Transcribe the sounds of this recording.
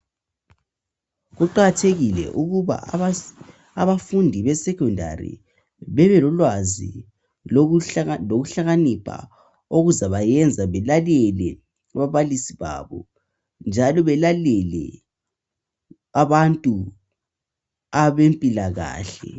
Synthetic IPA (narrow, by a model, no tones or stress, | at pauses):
ɣuǃaɣatʰeɣilɛ̰ʔuɣuβa̰ | aβafundʱiβɛsɛkʰɔndʱa̰rḭ | βɛβɛlɔlwazḭ | loɣuɬaɣanipʰa̰ | oɣuzaβajɛnd͡zʱaβɛlalɛlɛ | aβaβalisiβa̰βɔ̰ | nd͡ʒʱalɔβɛlalɛlɛ̰ | aβantʼu | aβempʼilaɣa̰ːɬɛ̰